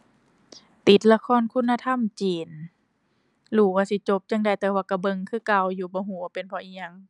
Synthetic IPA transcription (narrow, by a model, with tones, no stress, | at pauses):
t̪i˨˦t̪̚la˧kʰɔː˧˥˨nkʰu˧˥˨nːa˧t̪ʰa˧˥˨mt͡ɕiː˨˩n | luː˧˩waː˧˨si˧˦t͡ɕo˧˦p̚t͡ɕa˧˨ŋda˧˩jt̪ɛː˧waː˧˩ka˧˩bɤ˧ŋkʰɯː˧˩˨ka˧˩wjuː˧˦bɔː˧˦ɦuː˧˩˦a˧pe˨npʰɔ˧˦ʔiː˧ɲa˧˨ŋ